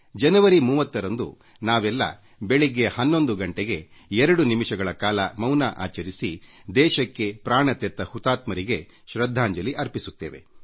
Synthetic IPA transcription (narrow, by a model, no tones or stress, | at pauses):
d͡ʒɐnɐʋɐɾimuːʋɐt̪ːɐɾɐnd̪ṵ | naːʋɛlːɐ̰ | beɭiɡe̞hɐnːo̞nd̪uɡɐɳʈeɡe̞ɛɾɐɽunimiʂɐɡɐɭɐkaːlɐmɐwnaʔa̰ːt͡ʃɐɾisid̪ɛːʃɐkːe̞pɾaːɳɐt̪ɛt̪ːɐhut̪aːt̪mɐɾiɡe̞ | ʃɾɐd̪ʱːaːɲd͡ʒɐliʔɐɾpisut̪ːeːʋe̞̰